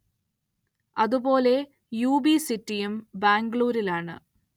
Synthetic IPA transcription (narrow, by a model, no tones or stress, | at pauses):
ɐðubo̞ːle̞ | juːbisitːijumbaːŋɡɭuːɾilaːɳɨ̰